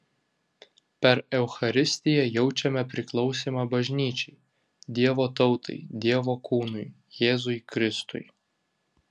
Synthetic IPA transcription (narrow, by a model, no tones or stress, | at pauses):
pʲɛɾɛʊxɐɾʲɪsʲt̪ʲɪjɛjɛʊt͡ʃʲɛmʲɛpʲɾʲɪklˠɒʊsʲiːmɑbɐʒʲnʲiːt͡ʃʲɛɪ | d̪ʲiɛʋoːt̪ɒʊt̪ɐ̰ɪd̪ʲiɛʋoːkuːnʊj | jeːzʊɪkɾʲɪst̪ʊ̰j